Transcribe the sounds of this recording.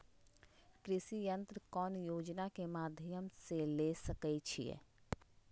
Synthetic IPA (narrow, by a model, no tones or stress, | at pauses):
kɾɪsijə̃nt̪ɾəkɔːnjoːd͡ʒnakemaːd̪ʱjəmselesəkɛt͡ʃʰḭjḛ